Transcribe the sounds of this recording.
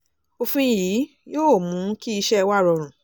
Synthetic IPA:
o˧fũ˧˨ji˨˦ | joː˦˨mũ˨˦ki˦i˧ʃɛ˦˧wa˦˨ɾɔ˧˨ɾ̃ũ˨

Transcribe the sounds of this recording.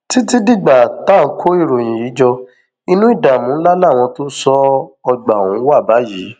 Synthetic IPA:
ti˨˦ti˦di˦˨ɡ͡ba˨ta˦˨˦kʰo˦i˦˨ɾo˨j̃ĩ˨ji˨˦d͡ʒɔ˧ | i˧nũ˦i˦˨da˨mũ˨˦la˦la˦˨w̃ɔ̃˧to˦sɔ˦ɔ˧ɡ͡ba˨ũ˨˦wa˦˨ba˨˦ji˨˦

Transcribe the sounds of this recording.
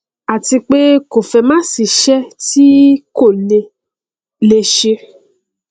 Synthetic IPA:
a˨ti˧k͡pe˦ko˨fɛ˧mã˦si˧ʃɛ˦ti˦ko˦˨le˧ | le˧ʃe˧

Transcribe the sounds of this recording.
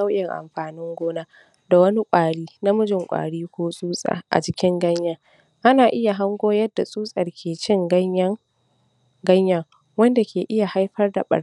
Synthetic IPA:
a˦wʔɪ˨ŋʔa̰˨mɸaː˨nɪ˦ŋɡʷoː˦na˦ | da˨wɐ˦ni˦kʷʼaː˨ɽiː˦na˦mʊ˦d͡ʒɪ˨ŋkʷʼa̰ː˨ɽiː˦kʷoː˦sʼuː˦sʼa̰ː˨ʔa̰˨t͡ʃɪ˦kʲɪ˦ŋɡɐ˦ɲjaː˨ | ʔa˦naː˨ʔɪ˦ja˨ɦa˦ŋɡʷoː˦jɐ˦dːa˨sʼuː˦sʼɐ˨rkʲʰeː˨t͡ʃɪ˦ŋɡ | ɡɐ˦ɲja˨ | wɐ˦nda˨kʲʰeː˨ʔɪ˦ja˨ha˦jɸɐ˦rda̰˨ɓɐ̰˨

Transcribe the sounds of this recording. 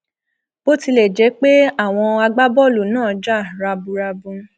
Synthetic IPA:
bo˦ti˧lɛ˨d͡ʒɛ˨˦k͡pe˦a˦˨w̃ɔ̃˧a˧ɡ͡ba˦bɔ˦˨lu˨nãː˦˨˦d͡ʒa˦˨ɾa˧bu˧ɾa˧bũ˧˦

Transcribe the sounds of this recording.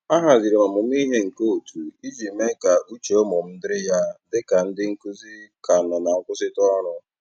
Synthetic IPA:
a˦ɦa˨zi˨ɾe˨ma˨mʊ˨m˦i˦ɦe˦ŋ̩˨ko˦˨tu˨i˦d͡ʒi˨me˦ka˨ʔu˦t͡ʃe˨o˦mɔ˨m̩˦dɪ˦ɾɪ˦ja˦dɪ˦ka˨n̩˦dɪ˦ŋ̩˦ku˦zi˦ka˨nɔ˨na˨ŋ̩˦kʷʊ˦sɪ˦tɔ˦ɾʊ˦

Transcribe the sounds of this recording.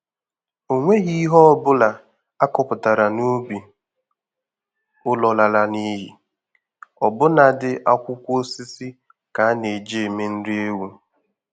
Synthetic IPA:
o˨ŋʷe˦ɦi˦i˦ɦɔ˦˨bʊ˦la˨ | a˦kɔ˨pʊ˨ta˨ɾa˨nu˦bi˨ | ʊ˦lɔ˨la˨la˨ni˦ɦi˨ | ɔ˨bʊ˦na˨dɪ˦ʔa˦kʷʊ˦kʷo˦si˦si˦ | ka˨˦ne˨d͡ʒe˦˨me˦n̩˦dɪ˦e˦wu˦

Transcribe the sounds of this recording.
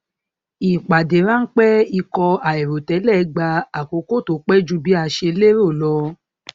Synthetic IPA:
i˨k͡pa˨de˨˦ɾã˦n̩˦k͡pɛ˦i˧kɔ˧a˨e˨ɾo˨tɛ˨˦lɛ˦˨˧ɡ͡ba˧a˨ko˨˦ko˦˨to˨˦k͡pɛ˦d͡ʒu˧˦bi˦a˧ʃe˧˦le˦ɾo˦˨lɔ˧

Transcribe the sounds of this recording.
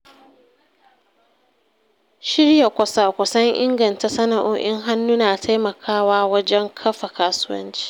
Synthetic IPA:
ʃɪ˦ɽja˨kʷɐ˨sa˦˨kʷɐ˨sɐ˦ŋʔɪ̰˦ŋɡɐ˨nta˨sɐ˦na˨ʔoː˦ʔɪ˦ŋɦa˦nːu˦naː˨tʰa˦jmɐ˨kʰaː˦waː˦wɐ˦d͡ʒɛ˦ŋkʰɐ˦ɸa˨kaː˦sʊ˦wɐ̰˦nt͡ʃi̥ː˦

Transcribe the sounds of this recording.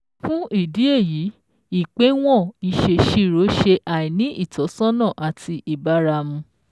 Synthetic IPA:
fũ˦i˦˨di˨˦e˦˨ji˨˦ | i˦˨k͡pe˨˦w̃ɔ̃˦˨i˨ʃe˧ʃi˦ɾo˨˦ʃe˧ʔa˨ĩ˨nĩ˨˦ʔi˦˨tɔ˨˦sɔ̃˦nã˦˨ʔa˨tʰi˧i˨ba˨˦ɾa˧mũ˧

